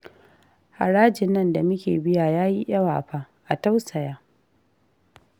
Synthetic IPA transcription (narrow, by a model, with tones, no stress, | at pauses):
ha̰˨ɽaː˦d͡ʒɪ˨nːɐ˦nda˨mʊ˦kʲḛː˨bɪ˦ja˨jaː˦ji˦ʔɐ˦wa̰ː˨ɸaː˦ | ʔa˨ta˦wsɐ˨jaː˦